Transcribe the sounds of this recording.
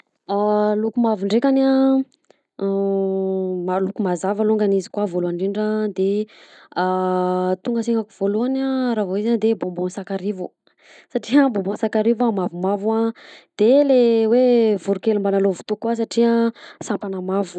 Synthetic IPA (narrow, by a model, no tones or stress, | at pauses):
alukumavuɳɖ͡ʐekana | malukumazavaluŋɡanizi̥kwavoluaɳɖ͡ʐiɳɖ͡ʐəd̪e | at̪uŋɡəseŋɡakuv̥oluanaɾavoizand̪ebõmbonsakaɾivu | saʈ͡ʂiəbõmbõsakaɾivamavumavuad̪̥elewevuɾukelumbanalovu̥t̪ukwas̬aʈ͡ʂiəsampanəmavu̥